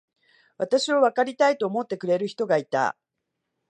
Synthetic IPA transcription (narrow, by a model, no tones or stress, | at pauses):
βat̪aɕioβ̞akaɾʲit̪ait̪o̞ːmo̞t̪ːe̞kɯ̟ɾe̞ɾɯ̟çi̥t̪o̞ɡait̪a̰